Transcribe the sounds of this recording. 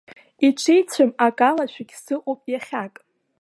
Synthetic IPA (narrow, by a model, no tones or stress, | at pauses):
iʈ͡ʂʷʰejt͡sʷʰɨmakʼalaʃʷʰᶣaɡʲsɨqʷʼopʼjaχʲakʼ